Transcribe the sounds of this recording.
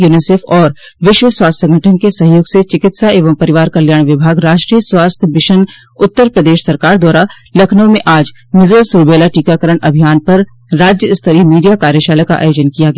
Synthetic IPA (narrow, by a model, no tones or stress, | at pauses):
juːnɪseːfʰɔːɾ | ʋɪʃwəswaːst̪ʰʲsə̃ŋɡʱəʈʰənkesɐɦjoːɡset͡ʃɪkɪt̪saeːʋəmpɐɾɪʋaːɾkɐljaːɽ̃ʋɪbʱaːɡɾaːʃʈɾijəswaːst̪ʰjəbɪʃən | ʊt̪ːəɾpɾəd̪eːʃsɐɾkaːɾd̪waːɾalɐkʰnə̃mẽʔaːd͡ʒ | mɪzɾəsuːɾbeːlaʈiːkakəɾəɽ̃ʔɐbʱijaːnpɐɾː | aːd͡ʒjəɪst̪ʰəɾimiːɖijakaːɾjəʃaːləka̰ʔa̰ːjoːd͡ʒənkijaɡəj